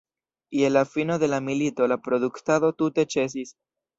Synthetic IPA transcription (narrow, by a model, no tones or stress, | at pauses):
ielafinoðe̞lamilit̪olapɾo̞ðukt̪aðo̞t̪ut̪e̞t͡ʃe̞s̬is